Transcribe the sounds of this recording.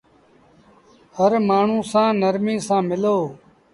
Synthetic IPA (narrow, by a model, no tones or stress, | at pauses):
həɾmaːɳ̤ũːsãːnəɾmĩːsãːmɪloː